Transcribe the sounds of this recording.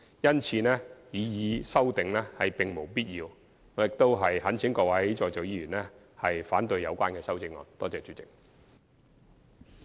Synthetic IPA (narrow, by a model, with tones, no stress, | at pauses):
jɐ˥nt͡sʰiː˨˧nɛː˥jiː˨˧jiː˨˧sɐ˥wt̪ɪ˨ŋlɛ˥hɐ˨˩jpɪ˨ŋmo˨˩wpiː˥t̚jiː˧w | ŋɔː˨˧jɪ˨k̚t̪o˥wɦɐ˨jhɐ˨˥nt͡sʰɪ˨˥ŋkɔː˧˥wɐ˨˥jt͡ʃɔː˧jt͡so˨˧wjiː˧jyː˨˩nɛ˥ | hɐ˨jfaː˨˥nt̪ɵ˧ɥjɐ˨˧wkʷaː˥nkɛː˧sɐ˥wt͡sɪ˧˥ŋɔ̰ː˨˧nt̪ɔː˥t͡sɛː˨t͡sy˨˧tt͡sɪ˨˩k̚